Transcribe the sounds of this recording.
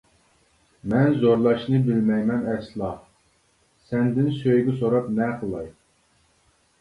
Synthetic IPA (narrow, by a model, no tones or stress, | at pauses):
mɛnzoɾlˠɑʃnɨbɪlmɛjmɛnɛkʲslˠɑ | sɛnd̪ɪnsøjɡʲɪsoɾɑpnɛqʰəlˠɑj